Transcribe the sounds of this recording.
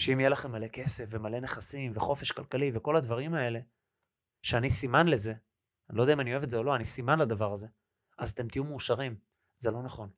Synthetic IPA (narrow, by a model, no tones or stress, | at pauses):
ʃeimjelaχe̞mːale̞ke̞se̞fvemale̞neχasimveχo̞fe̞ʃkalkaliveko̞lad̪vaʁimae̞le̞ | ʃeanisimanle̞ze̞ | anilo̞d̪eaimanio̞evtzeo̞lo̞anisimanlad̪avaʁaze | azat̪e̞mt̪ijumeːʃaʁim | ze̞lo̞naχo̞n